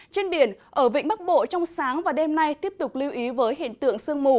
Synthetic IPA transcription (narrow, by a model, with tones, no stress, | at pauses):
t͡ɕe˧nɓi˧˩ənʔəː˧˩vḭ˧˨ŋ̟ɓa˦˥k̚ɓo̰˧˨t͡ɕɔ˧wŋ͡msaː˨˦ŋvaː˨˩ɗɛ˧mna˧jt̪i˦˥əp̚t̪ʊ˨˩k͡p̚li˧wʔi˨˦vəː˨˦jɦḭ˧˨ənt̪ɨ̰˧˨əŋsɨ˧əŋmu˧˩